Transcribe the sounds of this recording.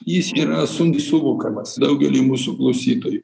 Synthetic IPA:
jɪsiːɾɐsʊnd̪ʲisʊʋʊkɐmɐsd̪ɐʊɡʲɛlʲiːmuːsʊklˠɐʊsʲiːt̪oːjʊ

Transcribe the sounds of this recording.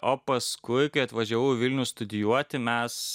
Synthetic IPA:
oːpɐskʊɪkɐɪɐt̪ʋɐʒʲæʋɐʊʋʲɪlʲnʲust̪ʊd̪ʲɪjuɔt̪ʲɪmʲɛs

